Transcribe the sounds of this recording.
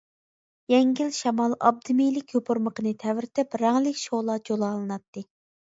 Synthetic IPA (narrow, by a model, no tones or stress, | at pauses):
jɛŋɡʲilʃɛmɑlˠɑ̰b̚d̪ɨmijlɪkʲjopʰuɾməqənɨt̪ʰɛvɪɾt̪ʰɪpɾɑŋlɪkʲʃolˠɑd͡ʒolˠɑːlˠɨnɑt̪ːɨ